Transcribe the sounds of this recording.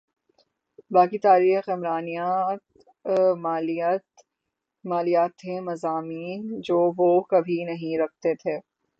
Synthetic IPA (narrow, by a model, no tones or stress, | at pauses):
baːkit̪aːɾiːxɪmɾaːnijat̪ | maːlit̪ | maːlijaːt̪ʰːemɐzaːmiːnd͡ʒoːʋoːkɐbʱinɐɦĩɾɐk̚ʰt̪et̪ʰeː